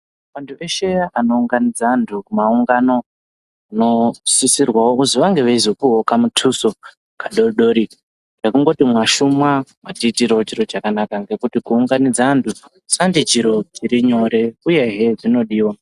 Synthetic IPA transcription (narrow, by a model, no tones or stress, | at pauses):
ʋantʰue̞ʃe̞ano̞uŋɡanid͡zantʰukumauŋɡano̞ | ano̞sisirwawouziʋaŋɡe̞ʋezopuɦokamutʰuso | kaɗo̞rɗo̞ɾi | ɡekuŋɡo̞timwaʃumwawatiːtiɾaot͡ʃiɾot͡ʃakanakaŋɡe̞kutikuːŋɡanid͡zantʰu | sandit͡ʃiɾo̞t͡ʃiɾiɲo̞ɾe̞uje̞ɦe̞d͡zino̞ɗiːwa